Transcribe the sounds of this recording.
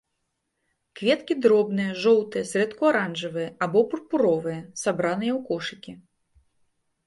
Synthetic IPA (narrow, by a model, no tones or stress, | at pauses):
kvʲɛt̪kʲid̪ɾɔbnɨjɐʐɔwt̪ɨjɛsɾɛt̪kuaɾanʐɐvɨjɐabɔpurpuɾɔvɨjɐsabɾanɨjɛwkɔʂɨkʲi